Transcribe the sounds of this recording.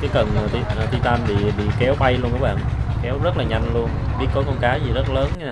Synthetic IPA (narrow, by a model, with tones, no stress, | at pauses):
kaː˨˦jkə˨˩nː˨˩i˧ə˨˩t̪i˧t̪aː˧nɓḭ˧˨ɓḭ˧˨kɛ˨˦wɓa˧jlu˧ənkəː˨˦ɓa̰ː˧˨nkɛ˨˦wzə˦˥t̚laː˨˩ɲa˧jŋ̟lu˧ənɓi˦˥ət̚ko˨˦jkɔ˧nkaː˨˦jzi˨˩zə˦˥t̚ləː˨˦naː˨˦˩